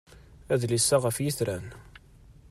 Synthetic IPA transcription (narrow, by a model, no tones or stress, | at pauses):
æðlisːaʁəfjiθɾæn